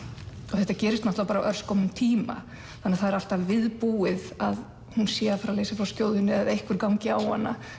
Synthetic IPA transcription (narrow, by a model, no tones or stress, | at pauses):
ɔðθɛht̪ːacɛːɾɪst̪am̥ht̪awpaːɾaʔœɾ̥skɔwmʏmt̪ʰiːma̰ | θanːɛaðθaðɛɾal̥t̪avvɪðpuɪðað | hunsjɛːðafɾawlejsafɾawskcoːwðʏnːɪaðejhkvʏɾkawŋcɪawhanːa